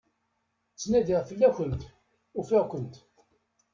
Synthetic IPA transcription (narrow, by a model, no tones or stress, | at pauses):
t͡sːnæðiʁfəlːæçənt̪ | ʊfiʁkʷənt̪